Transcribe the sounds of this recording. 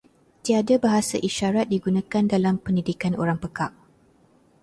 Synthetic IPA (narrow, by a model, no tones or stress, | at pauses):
t̪iadabaɦasaʔiʃaɾat̪̚diɡunãkandalampəndidikano̰ɾaŋpəkaʔ̚